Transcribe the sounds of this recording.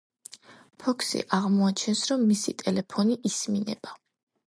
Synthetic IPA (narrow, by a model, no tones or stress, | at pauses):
pʰɔkʰsḭʔaʁmɔat͡ʃʰɛnsɾɔmːisḭt̪ʼɛlɛpʰɔniʔisminɛ̰b̥a